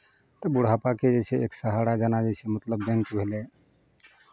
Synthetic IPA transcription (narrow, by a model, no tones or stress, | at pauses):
t̪əbuɽ̤apaked͡ʒeseeksəɦaɽad͡ʒanad͡ʒesemət̪ləbbẽŋk̪bʱele